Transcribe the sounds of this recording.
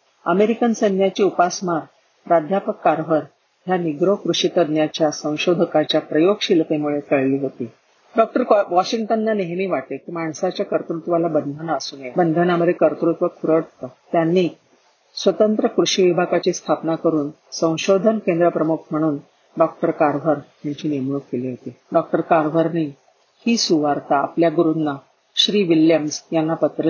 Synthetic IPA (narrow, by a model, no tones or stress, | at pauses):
əmeɾikənsənjat͡ɕiːupasmaɾ | ɾad̪ʱjapəkːaɾʋ̤əɾ | ɦjaniɡɾokɾuɕit̪əd̪njat͡ɕjasə̃w̃ɕod̪ʱəkat͡ɕjapɾəjoɡɕilt̪emuɭek̪əɭliːɦot̪iː | ɖɔk̚ʈəɾʋɔɕiŋɡʈənːaneɦmiːʋaʈekiːmaɳsat͡ɕjakəɾt̪ɾut̪ʋalabənd̪ʱənaəsuːnjebənd̪ʱənaməd̪ʱːjekəɾt̪ɾut̪ʋəkʰuɾəɽt̪ət̪janːiː | sʋət̪ənt̪ɾəkɾuɕiʋibʱakat͡ɕiːst̪ʰapnakəɾuːnsə̃w̃ɕod̪ʱənkẽnd̪ɾəpɾəmukʰm̤əɽ̃uːn | ɖɔk̚ʈəɾkaɾʋ̤ʱəɾjaɲt͡ɕiːnimɳuk̚keliːɦot̪iɖɔk̚ʈəɾkaɾʋ̤ʱəɾniː | hiːsuʋaɾt̪a̰ːpljaɡuɾunnːa | ɕɾiːʋiljəmsjanːapət̪ɾə